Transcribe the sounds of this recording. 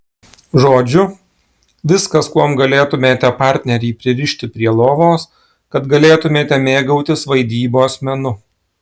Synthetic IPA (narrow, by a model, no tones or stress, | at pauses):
ʒoːd͡ʒʲʊ | ʋʲɪskɐskuɔmɡɐlʲeːt̪ʊmʲeːt̪ʲɛpɑˑɾʲt̪ʲnʲɛɾʲiːpʲɾʲɪɾʲɪʃʲt̪ʲɪpʲɾʲiɛlˠoːʋoːs | kɐt̪ɡɐlʲeːt̪ʊmʲeːt̪ʲɛmʲeːɡɐʊt̪ʲɪsʋɐɪd̪ʲiːboːɐsʲmʲɛnʊ